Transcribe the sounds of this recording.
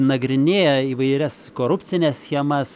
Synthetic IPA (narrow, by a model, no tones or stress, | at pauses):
nɐɡɾʲɪnʲeːjɛiːʋɐɪɾʲɛskoːɾʊpʲt͡ssʲɪnʲɛssxʲiɛmɐs